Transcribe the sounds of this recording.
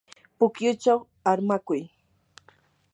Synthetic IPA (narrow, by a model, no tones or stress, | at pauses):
pʊkjʊt͡ʃaw | aɾmakʊj